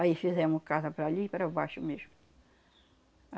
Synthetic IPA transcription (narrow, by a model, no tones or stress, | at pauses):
aifizɛmʊskazɐpɾaʎipɾɐbaʃʊmeʒmʊ